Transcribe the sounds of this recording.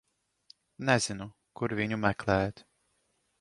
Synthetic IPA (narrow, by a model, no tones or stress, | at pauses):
nɛzinu | kuɾviɲumɛklɛɛt̪